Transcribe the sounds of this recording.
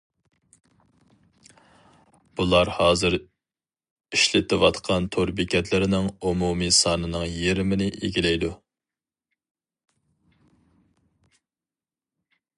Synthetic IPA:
b̥ulˠɑɾhɑːzɨɾ | iʃlɪt̪ʰɪwɑt̪qʰɑnt̪ʰoɾbɪkʲʰɛt̪ʰlɪɾɪnɪŋumumisɑːnɨnɨŋjeɾɪmɪnɪʔḛɡʲilɛjd̪u

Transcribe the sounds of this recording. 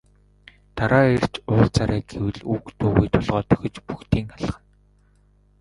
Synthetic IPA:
t̪aɾaːer̥t͡ɕʊːrt͡saɾæːɡewɘ̆ɮuːkt̪ʰoːɣujt̪ʰʊɮʁɔːt̪œ̥xʲɵ̆t͡ɕpuxt̪ʰiːŋaɮ̆χə̆n

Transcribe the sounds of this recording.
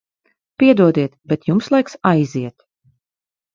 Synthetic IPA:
pʲiɛd̪uɔd̪iɛt̪bɛt̪jumslˠajksajziɛt̪

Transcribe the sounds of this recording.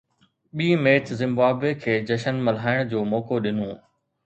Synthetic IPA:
ɓiːmeːt͡ɕzɪ̃mbaːbekʰeːd͡ʑɐʃənmɐl̤aːɪɽ̃d͡ʑoːmɔːkoɗɪnũː

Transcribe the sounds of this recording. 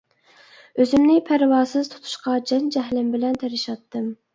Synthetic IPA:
øzɪmnɪpʰæɾwɑːsɨzt̪ʰu̥t̪ʰu̥ʃqɑd͡ʒɛnd͡ʒɛɦlɪmbɪlɛnt̪ʰæɾɪʃɑt̪ːɨm

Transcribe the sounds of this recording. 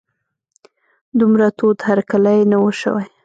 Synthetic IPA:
d̪umɾat̪od̪haɾkalajnawəʃə̰waj

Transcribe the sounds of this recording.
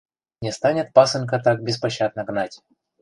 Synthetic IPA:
nʲɪst̪anʲɪt̪̚pasɨnʲkɐt̪ak̚bʲɪspɐɕːad̪̚nəɡnatʲ

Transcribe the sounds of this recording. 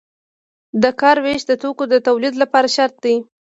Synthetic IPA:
d̪əkɑɾweʃd̪ət̪okod̪ət̪awlid̪lapɑɾaʃaɾt̪̚d̪i

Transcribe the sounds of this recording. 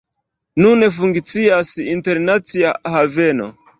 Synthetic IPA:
nunefuŋkt͡siasinte̞ɾnat͡siahave̞no̞̰

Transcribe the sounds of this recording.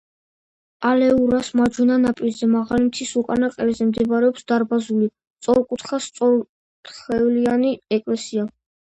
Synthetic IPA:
alɛuɾasmad͡ʒwɛnanapʼilzɛmaʁalimt̪sʰisukʼanaqʼɛizɛmd̪ɛbaɾɛɔpsd̪aɾbazuli | t̪sʼɔɾkʼut̪χast̪sʼɔɾ | t̪χɛvlianiɛkʼlɛsia

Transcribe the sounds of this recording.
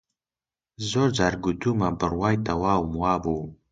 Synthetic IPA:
zord͡zarɡʷʊdumabɨrwajtʰʼawawmwabow

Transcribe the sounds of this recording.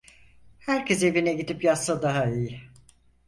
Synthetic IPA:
hæɾcʰes̬e̞vinɛɟid̪ipjasːad̪aɦaiji

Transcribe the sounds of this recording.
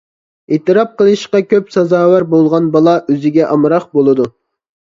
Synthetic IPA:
et̪ɨɾɑp̚qəlˠɨʃqɑkʲʰøpsɑzɑːwæɾbolˠʁɑnbɑlˠɑʔøzɪɡʲɛʔɑmɾɑqbolˠɨd̪u

